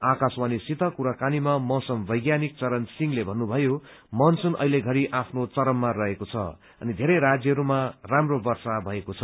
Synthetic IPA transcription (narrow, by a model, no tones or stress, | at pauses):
akaswanisit̪ʌkuɾakanimamʌsʌmbʱʌjɡjanik̚t͡sʌɾʌnsiŋlebʱʌnːubʱʌjo | mʌnsunʔʌ̰ileɡʱʌɾiʔapʰnot͡sʌɾʌmːarʌɦekot͡sʰʌ̰ | ʌ̰nid̪ʱeɾʌjɾad͡zjʌɦʌɾumaramrobʌrsabʱʌekot͡sʰʌ